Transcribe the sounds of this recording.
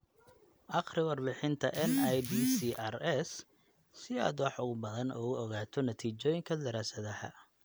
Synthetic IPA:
ʔɑqrɪwɑrbɪħɪnt̪ʰɐʔɛnajd̪iːsiːʔɐrɛsː | ɪa̰ːd̪wɑħʊɣʊbɐðɐnɔ̰ʊɔɣaːt̪ʰɔnɐt̪ʰiːt͡ʃɔːjɪŋkʰɐd̪ɐɾaːsɐðɐhɐ̰

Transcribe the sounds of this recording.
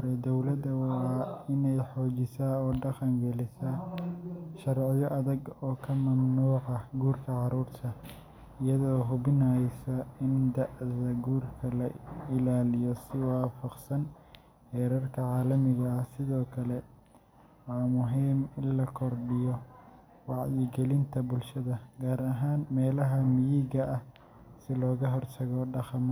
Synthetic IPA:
ɾɛd̪ɔwlɐd̪ɐwɑːɪnɛjħɔːt͡ʃɪsaɔːɖɑqɐŋɡɛlɪsɐ | ʃɐrʕɪjɔʔɐðɐɡɔːkʰɐmɐmnuːʕɑɡuːrkʰɐʕɑɾuːrt̪ʰɐ | ɪjɐðɔːɦʊβɪnɐsɐɪnd̪ɐʕðɐɡuːrkʰɐlɐɪlaːlɪjɔsɪwɑːfɑqsɐn | hɛːɾɐrkʰɐʕɑːlɐmɪɣɐhsɪðɔːkʰɐlɛ | wɑːmʊɦiːmɪnlɐkʰɔrɖɪjɔ | wɑʕjɪɡɛlɪnt̪ʰɐbʊlʃɐðɐɡaːɾɐɦaːnmɛːlɐɦɐmɪjiːɣɐʔɐh | sɪlɔːɣɐɦɔrt̪ʰɐɣɔɖɑχɑm

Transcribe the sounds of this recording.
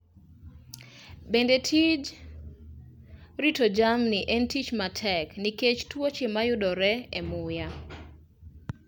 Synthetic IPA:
bendetʰid͡ʒ | ɾitod͡ʒamnɪʔɛntit͡ʃmatʰɛkniket͡ʃtwot͡ʃemajʊdɔɾɛɛmʊja

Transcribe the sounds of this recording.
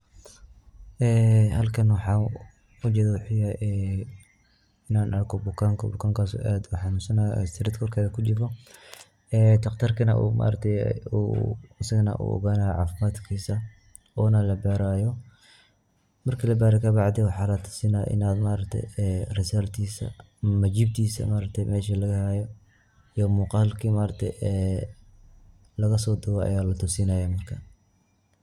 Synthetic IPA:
ʔɛːhɐlkʰɐnwɑħɑː | ʊt͡ʃɛːðɐwʊħɪjaʔɛ | ɪnaːnʔɐkʰɔbʊkʰaːŋkʰɐ̰bʊkʰaːŋkʰaːsɔ̰ːʔaːd̪ʊħɑnʊnsɐnaj̰sɪɾɪd̪kʰɔrkʰaːðɐkʰʊt͡ʃɪfɔ | ɛːt̪ʰɐqt̪ʰɐrkʰɐnɐʔṵːma̰ːɾɐk̚t̪ʰɛj̰ṵɪsɐɣɐnɐ̰ʔṵːʔɔ̰ɣaːnaːjʕɑ̰ːfɪmaːd̪kʰiːsɐ | ʔɔːnɐlɐbɛːɾaːjɔ | mɐrkʰɐlɐbaːɾɛkʰɐbɑʕd̪ɛwɑħɑːlɐt̪ʰʊ̥sɪna̰ʔɪ̰naːd̪maːɾɐkt̪ʰɛ̰jɛrɪsɐlt̪ʰiːsɐ̰ | mɐt͡ʃiːb̚t̪ʰiːsɐ̰maːɾɐkt̪ʰɛjmɛːʃɐlɐɣɐhaːjɔ | ijɔmuːqɑːlkʰimaːɾɐk̚t̪ʰɛ̰jɛː | lɐɣɐsɔːd̪ʊɣɔʔɐ̰jaːlɐt̪ʰʊsɪnaːjɛmɐrkʰɐ

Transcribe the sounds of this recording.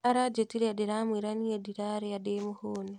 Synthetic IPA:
aɾad͡ʒetiɾedeɾamwiːɾaniediɾaɾeademʊhoːni

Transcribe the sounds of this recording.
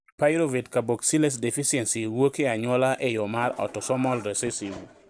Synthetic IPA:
pajɾovitkaboksiles̬defisiɛnsiwokeaɲwɔlaʔejɔmaɾɔ̰tɔsɔmɔlɾesesiv

